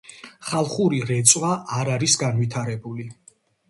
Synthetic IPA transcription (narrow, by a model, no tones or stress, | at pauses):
χalˠχuɾiɾɛt̪sʼwaʔːɾaɾisɡanvit̪ʰaɾɛbuli